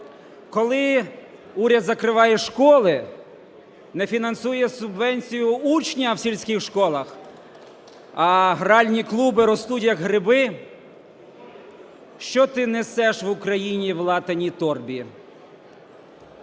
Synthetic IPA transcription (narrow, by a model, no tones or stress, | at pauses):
kɔlˠɪ | uɾʲɐd̪zɐkɾɪʋɑjɛʃkɔlˠɪ | nɛfʲinɐnsujɛsʊbʋɛnʲt͡sʲijʊut͡ʃnʲɐwsʲilʲsʲkʲɪxʃkɔlˠɐx | ɐɦɾɑlʲnʲiklˠubɪɾɔst̪utʲjɐkɦɾɪbɪ | ʃt͡ʃɔt̪ɪnesɛʃʋʊkɾɐjinʲiʋlˠɑt̪ɐnʲit̪ɔrbʲi